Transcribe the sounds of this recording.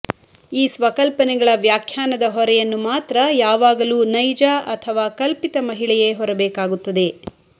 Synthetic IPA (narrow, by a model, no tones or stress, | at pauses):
iːsʋɐkɐlpɐnɛɡɐɭɐʋjaːkʰjaːnɐd̪ɐɦɔɾɛjɐnːumaːt̪ɾɐjaːʋaːɡɐluːnɐjd͡ʒaːʔɐt̪ʰɐʋaːkɐlpit̪ɐmɐɦiɭɛjeɦɔɾɐbɛːkaːɡut̪ːɐd̪e̞